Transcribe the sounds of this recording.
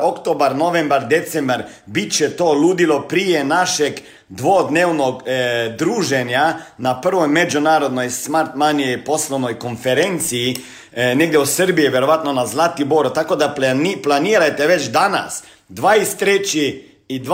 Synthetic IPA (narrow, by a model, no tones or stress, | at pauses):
okt̪obaɾno̞ʋembaɾd̪et̪sembaɾ | bit̪t͡ʃet̪oːluːd̪ilo̞pɾijenaʃeɡ | d̪ʋod̪neːʋnoɡd̪ɾuːʒeɲanapr̩ʋo̞jmed͡ʒunaːɾo̞d̪no̞jsmaɾt̪manijejpo̞sloʋnojko̞nfeɾent̪siji | neɡd̪jeusər̩bijiʋjeɾo̞ʋat̪nonazlˠat̪ibo̞ɾot̪ako̞d̪aplniplaniːɾajt̪eʋet͡ʃd̪ana̰s | d̪ʋaːist̪ːɾet͡ɕiː | d̪